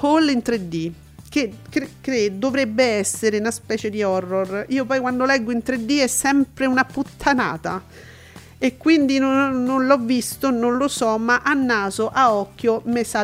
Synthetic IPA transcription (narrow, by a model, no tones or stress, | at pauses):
holːint̪ɾed̪ːi | k̟ekkːed̪ovɾɛbːeɛsːeɾeunaspɛːt͡ʃed̪iɔrːoriːopɔjkwand̪olɛɡːoint̪ɾed̪ːiɛsːɛmpɾeunaput̪ʰːana̰ːt̪a | ekːwind̪inoːonlɔvːist̪ononlosɔmaʔanːaːzoʔaɔkːjomesa